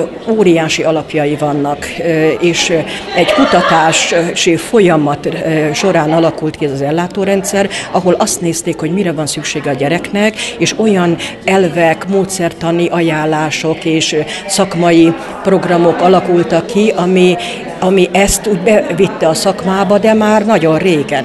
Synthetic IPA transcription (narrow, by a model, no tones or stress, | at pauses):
oːɾijaːʃiɒlɒpjɒjivɒnːɒkeːʃɛɟkut̪ɒt̪aːʃʃifo̞jɒmɒt̪ʃo̞ɾaːnɒlɒkult̪kiɛzɒzɛlːaːt̪oːɾɛnt̪sɛrɒɦo̞lɒst̪neːst̪eːkho̞ɟmiɾɛvɒnsykʃeːɡɛɒɟɛɾɛknɛkeːʃo̞jɒn | ɛlvɛkmoːt̪sɛrt̪ɒniʔɒjaːlːaːʃo̞keːʃ | sɒkmɒji | pro̞ɡrɒmo̞kɒlɒkult̪ɒkːiɒmi | ɒmiʔɛst̪uːɟbɛvit̪ːɛɒsɒkmaːbɒd̪ɛmaːrnɒɟo̞rreːɡɛn